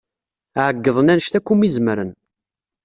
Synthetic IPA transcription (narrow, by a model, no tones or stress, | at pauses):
ʕəɡːəðˤənænʃt̪ækʷːumizmɾən